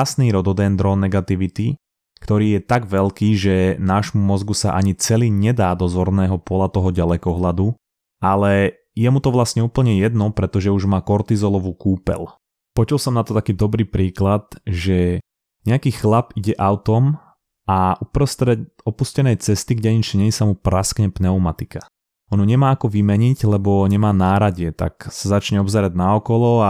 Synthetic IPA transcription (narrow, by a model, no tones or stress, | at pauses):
asniːɾɔd̪ɔd̪ɛːnd̪ɾɔːnːɛɡat̪iʋit̪i | kt̪ɔɾiːjɛt̪aɡʋɛlkiːʒɛnaːʒmumɔzɡusaʔaɲit͡sɛliːɲɛd̪aːd̪ɔzɔɾnɛːɦɔpɔlat̪ɔɦɔɟalɛkɔɦlad̪u | alɛ | jɛmut̪ɔʋlasɲɛuːpl̩ɲɛjɛd̪nɔpɾɛt̪ɔʒɛuʒmaːkɔɾt̪izɔlɔʋuːkuːpɛ̰l | pɔt͡ʃulsɔmnat̪ɔt̪akiːd̪ɔbɾiːpɾiːklat̪ʒɛ | ɲɛakiːxlapiɟɛʔaʊt̪ɔm | aʔupɾɔst̪ɾɛt | ɔpuscɛnɛjt͡sɛst̪iɡɟɛɲit͡ʃiɲɛɲisamupɾaskɲɛpnɛumat̪ika | ɔnuɲɛmaːakɔʋimɛɲiɟlɛbɔɲɛmaːnaːɾaɟɪɛt̪a̰ksazat͡ʃɲɛɔbzɛɾaɟnaɔkɔlɔa